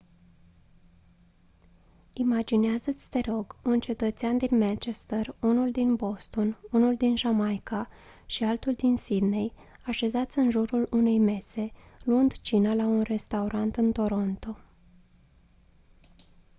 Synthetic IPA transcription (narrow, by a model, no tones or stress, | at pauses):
imad͡ʒineazət̪sʲt̪e̞ɾo̞ɡunt͡ʃe̞t̪ət̪seand̪inmant͡ʃe̞st̪ərunuld̪inbo̞st̪o̞nunuld̪inʒamajka | ʃialt̪uld̪insid̪ne̞j | aʃe̞zat̪sʲɨnʒuɾulune̞jme̞se̞luɨnd̪t͡ʃinalaunre̞st̪auɾʔant̪ɨnt̪o̞ɾo̞nt̪o̞